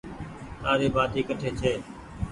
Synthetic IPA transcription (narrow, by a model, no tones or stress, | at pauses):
aːɾeːbaːd̪iːkəʈʰeːt͡ʃʰeː